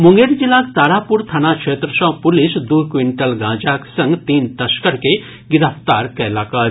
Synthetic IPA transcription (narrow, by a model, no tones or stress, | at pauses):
mʊŋɡeɾd͡ʒilaːt̪aːɾaːpuɾt̪ʰaːnakʂeːt̪ɾəsãːpʊlɪsd̪ukʋiɳʈəlɡãːd͡ʒaksɐ̃ŋɡt̪iːnt̪ɐskəɾke | ɡɪɾəft̪aːɾkɛɦlaːkaː